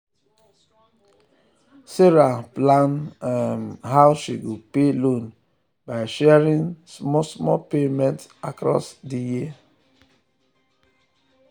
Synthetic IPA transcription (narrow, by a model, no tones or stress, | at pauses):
seɹaplãnmɦaʊʃiɡopelõn | baɪʃɛɹĩnsmɔsmɔpemɛ̃ntakɹɔ̰sdijia